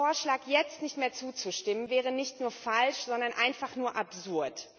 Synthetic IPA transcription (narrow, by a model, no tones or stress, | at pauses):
oːɐʃlaːkjɛt͡stnɪçtmeːɐt͡suːt͡suʃtɪmənvɛːʁ̞ənɪçtnuːɐfalʃz̥ɔndɐnʔaɪnfaχnuːɐʔapz̥ʊɐt